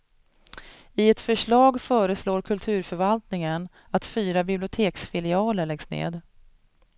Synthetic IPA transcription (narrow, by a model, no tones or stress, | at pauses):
ɪɛt̪fœʂɭɑːɡfœːɾəsloːɾkʰɵlt̪ʰʉ̟ːɾfœɾvalt̪nɪŋən | at̪fyːɾabɪblɪʊt̪ʰeːksfɪlɪɑːləɭɛɡsnḛːd̪